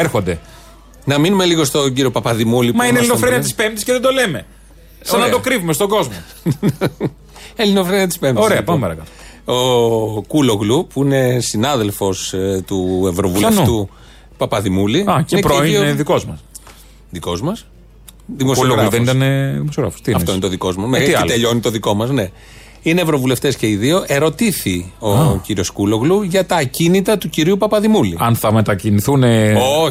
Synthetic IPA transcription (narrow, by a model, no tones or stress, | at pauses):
eɾxond̪e | nɐminume̞liɣo̞st̪o̞ɟiɾio̞pɐpɐðimulimɐinelinoɾeniɐt̪ispemt̪iskceðed̪o̞leme̞ | sɐnɐd̪okɾivumest̪o̞ɡo̞zmo | elinofɾeniɐt̪i̥spe̞md̪oieɐpɐmpɐɾɐkɐlo | okuloɣlupuine̞sinɐðe̞lfo̞st̪ue̞vɾovuulɐeft̪u | pɐpɐðimuliɐineɾioðikozmɐs | ðiko̞zmɐs | ðimosɣɾɐðenit̪ɐneðimosjoɾɐ̰fo̥st̪iɐfoinet̪oðiko̞zmɐsmet̪iɐelt̪eʎoinit̪oðiko̞mɐzne̞ | ine̞ːvɾo̞vule̞ft̪esce̞iðio̞ʔe̞ɾo̞t̪iθio̞ciɾio̞skulo̞ɣluʝɐt̪ɐcinit̪ɐt̪uciɾiupɐpɐðimuliɐnθɐmet̪ɐciniθuneo